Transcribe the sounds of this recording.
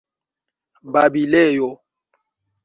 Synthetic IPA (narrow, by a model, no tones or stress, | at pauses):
babilejɔ